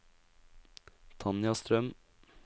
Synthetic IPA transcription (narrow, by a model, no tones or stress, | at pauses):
t̪ʰɑnjɑst̪ɾœm